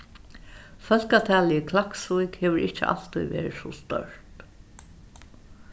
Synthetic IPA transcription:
fœl̥kat̪ʰɛːlɪəkʰlaksujkheːʋəɹɪht͡ʃːə̰ʔa̰l̥t̪ujʋḛːɾɪsɔst̪œ̰ɹt̪

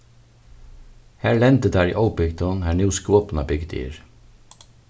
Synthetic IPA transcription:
hæːlɛnd̪əd̪æːɹḭːʔɔʊpɪɡd̪ɔnhæːnjuːskoːpnɑbʏɡd̪ḭːɹ

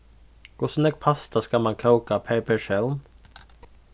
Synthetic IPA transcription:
kʰʊsnɛɡ̚pʰɑst̪ɑskɑmɑnkʰəʊkapʰeɪpʰəʃɛlm

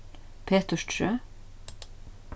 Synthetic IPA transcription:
pʰeːt̪əʃtʰʃøː

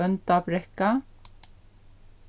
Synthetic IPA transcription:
ənt̪ɑːpɾɛkɑ

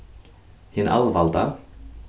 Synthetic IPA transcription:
hɪnʔa̰lvalt̪a

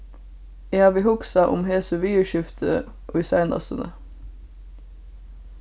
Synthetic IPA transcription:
eɑːʋiːhʊksɑʔʊ̰mheːsəʋiːʉʃɪft̪ʰə̰ | ʔoːisæɪnɑ̰sənə̰

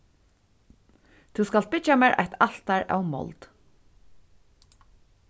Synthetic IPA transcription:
t̪ʰuskalt̪̚bɪt͡ʃamɛːɹʔa̰jht̪al̥t̪aɹa̰wmɔ̰lt̪

